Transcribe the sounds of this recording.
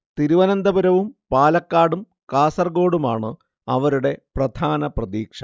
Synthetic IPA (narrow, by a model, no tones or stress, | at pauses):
t̪iɾuʋɐnɐnd̪ɐbuɾɐʋumpaːlɐkːaːɽum | kaːsɐrɡo̞ːɽumaːɳɨ | ɐʋɐɾuɽe̞prɐd̪ʱaːnɐprɐðiːkʂɐ